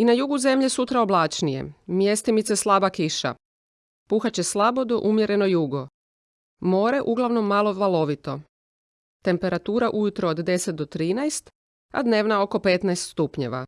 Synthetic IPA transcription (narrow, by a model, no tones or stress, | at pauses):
inajuɡuze̞mʎesut̪ɾao̞blaːt͡ʃnije̞̰mje̞st̪imit̪seslˠabakiʃa̰ | puxat͡ɕe̞slˠabo̞d̪o̞̰ʔumje̞ɾe̞no̞juɡo̞ | mo̞ːɾe̞ʔuɡlˠaʋno̞mːalˠo̞ʋalˠo̞ʋit̪o̞ | t̪e̞mpe̞ɾat̪uːɾaʔujut̪ɾoːd̪d̪e̞set̪̚d̪ot̪ɾiːnajst̪ | a̰d̪ne̞ːʋnao̞ko̞pe̞t̪najst̪st̪upɲe̞̰ʋa̰